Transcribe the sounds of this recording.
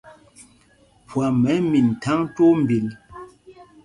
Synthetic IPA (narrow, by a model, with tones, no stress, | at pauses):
pwa˨mɛ˨˦mi˨n̩˨tʰa˦ŋ˦to˦m˨bi˨l